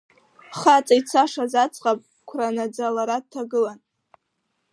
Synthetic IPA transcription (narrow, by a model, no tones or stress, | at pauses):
χat͡sʼajt͡sʰaʂazat͡sʼqʼapʼ | kʷʰranad͡zalaɾad̚tʰaɡɨlan